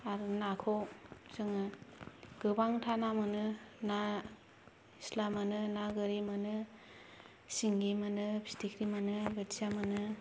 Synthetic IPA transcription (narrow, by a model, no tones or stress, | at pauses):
aɾnakʰɔwzɯŋɯ | ɡ̥ɯbaŋtʰanamɯnɯna | islamanɯnaɡɯɾimanɯ | siŋɡimanɯbʰi̥stikʰɾimanɯbɯtizjamanɯ